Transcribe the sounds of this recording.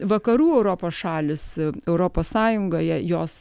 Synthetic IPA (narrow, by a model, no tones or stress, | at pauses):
ʋɐkɐɾuːɛʊɾoːpoːsʃɑːlʲɪsɛʊɾoːpoːssɑːjʊŋɡoːjɛjoːs